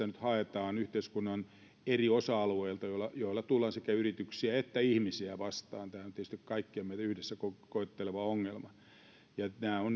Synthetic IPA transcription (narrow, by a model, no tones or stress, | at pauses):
ænyt̪hɑet̪ɑːnyht̪eiskunːɑn | eriosɑɑlueilt̪ɑjolːɑjoilːɑt̪ulːɑnsekæyrit̪yksiæet̪ːæihmisiæʋɑst̪ɑːnt̪æhæont̪iˑest̪ikkɑikːiɑmeit̪æyhdesːækokoet̪ːeleʋɑoŋːelmɑ | jɑnæːon